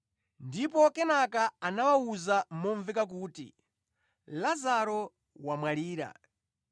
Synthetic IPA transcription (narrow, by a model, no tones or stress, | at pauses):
ndipɔkɛnakaanawauzamɔɱvikak̬uːtḭ | lazaɾɔ | wamwaliːɾa̰